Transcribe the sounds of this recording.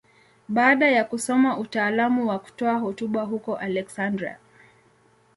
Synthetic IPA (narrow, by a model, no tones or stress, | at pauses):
ɓaːɗajakusɔmaʔutaːlamuwaku̥tɔaɦɔtuɓaɦukɔʔalɛksandɾia̰